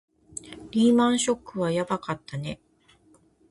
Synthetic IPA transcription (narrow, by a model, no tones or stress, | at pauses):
ɾʲiːmãɰ̃ɕo̞kːɯ̟βajabakat̪ːane̞